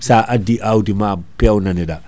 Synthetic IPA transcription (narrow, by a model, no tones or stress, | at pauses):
saʔadiʔawdimapɛwnanɛɗa